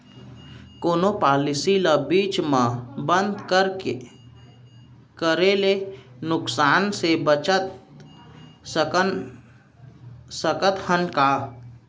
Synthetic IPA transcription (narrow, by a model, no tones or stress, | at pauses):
koːnopaːlisilabiːt͡ʃmãbə̃nd̪kəɾ | kəɾelenʊksaːnsebət͡ʃət̪ | ə | səkət̪hənka